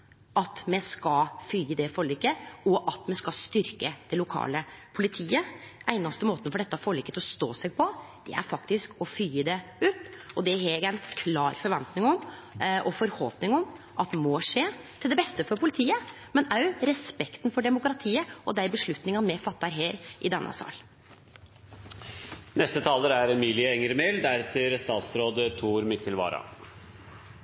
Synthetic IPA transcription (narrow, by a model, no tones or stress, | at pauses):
ʔɑt̪mɛskɑlfyːəd̪ɛfɔɭiːkːəɔʔɑt̪mɛskɑst̪ʏɾkəd̪̥ɛlʊkʰɑ̰ːləpʰʊlɪt̪ʰiːəʔæɪnɑst̪əmoːt̪ənfɔɖɛt̪ːəɑfɔːɭiːkːət̪ʰɪlɔst̪o̰ːsɛɡ̚pʰɔ | d̪̥ɛ̰æ̰ɾfɑkt̪ɪskɔfyːəd̪ɛʉːt̪ɔd̪ɛɦɛɡæɪnkʰlɑːɾfɔɾʋɛnt̪nɪŋɔmʔɔfɔɾhɔlpnɪŋɔm | ʔɑt̪moːʂeː | t̪ʰɪld̪ɛbɛst̪əfɔɾpʰʊlɪt̪ʰiːə | mɛnæɾɾɛspɛkt̪nfɔɖɛmʊkɾɑt̪ʰiːəʔɔd̪æɪbəʂɭʉt̪nɪŋɑmɛfɑt̪ːæɾɦeːɾʔɪd̪ɛnʔɑ̰sɑ̰ːl | nɛst̪ət̪ʰɑːləɾæɾɛmiːlɪəɛŋəɾmeld̪æɾt̪ʰɪɾst̪ɑːt̪sɾoːd̪ət̪ʰuːɾmɪkːəlʋɑ̰ːɾɑ̰